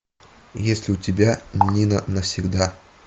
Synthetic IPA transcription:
jesʲlʲɪʊtʲɪbʲanʲnʲinənəfsʲɪɡd̪a

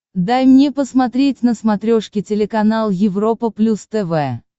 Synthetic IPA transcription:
d̪ajmnʲepəsmɐt̪ɾʲetʲnəsmɐt̪ɾʲoʂkʲɪtʲɪlʲɪkɐnalˠjɪvro̞pəplʲust̪ɛvɛ

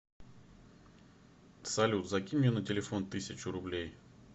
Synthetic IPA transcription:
sɐlʲut̪zɐkʲimʲʊnətʲɪlʲɪfo̞nt̪ɨsʲət͡ɕʊɾʊblʲej

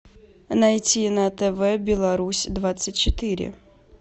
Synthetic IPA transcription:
nɐjtʲinɐt̪ɛvɛbʲɪlˠɐɾusʲd̪vat̪sɨtʲt͡ɕɪt̪ɨɾʲɪ̰

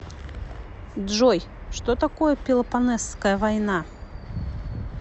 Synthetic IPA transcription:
d̪ʐɔjʂt̪ot̪akojəpʲɪlˠɐpanɛskəjəvajna

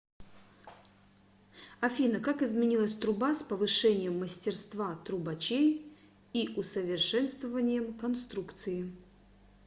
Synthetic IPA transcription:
ɐfʲinəkakɪzmʲɪnʲilˠəsʲt̪ɾʊbaspəvɨʂɛnʲɪjəmːəsʲtʲɪrst̪vat̪ɾʊbɐt͡ɕej | iʔʊsəvʲɪrʂɛnst̪vəvənʲɪjəmkɐnst̪ɾukt̪sɨjɪ

